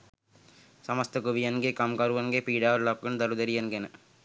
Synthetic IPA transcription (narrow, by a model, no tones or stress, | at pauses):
sɐmɐst̪ɐkuʋijɐnɡekɐmkɐɾɯʋɐŋɡeːpiːɽaːʋɐɾlɐkːɯnd̪ɐɾɯðɐɾiɐnɡɐnɐ